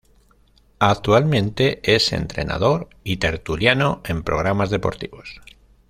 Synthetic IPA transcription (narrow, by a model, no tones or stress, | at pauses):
akt̪ualmẽ̞nt̪e̞e̞se̞̰nt̪ɾe̞̰na̰ð̞o̞ɾit̪e̞ɾt̪uljanoe̞mpɾo̞̰ɣ̞ɾamazðe̞po̞̰ɾt̪iβo̞s